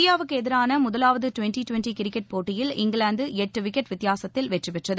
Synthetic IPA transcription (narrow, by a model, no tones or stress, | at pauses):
ɪjaːʋɯkːɯɛðɪɾaːnɐmʊðɐlaːʋɐðɯʈʊʋɛnʈiʈʊʋɛnʈikɪɾɪkːɛʈ̚poːʈːɪjɪlɪŋɡɐɭaːnd̪ɯɛʈːɯʋɪkːɛʈʋɪt̪ːɪjaːsɐt̪ːɪlʋɛʈrɯpɛʈrɐðɯ